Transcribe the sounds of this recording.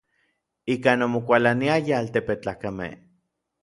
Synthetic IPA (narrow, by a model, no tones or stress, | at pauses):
ikanomokʷalaniajaaːlt̪epet͡ɬaːkamḛh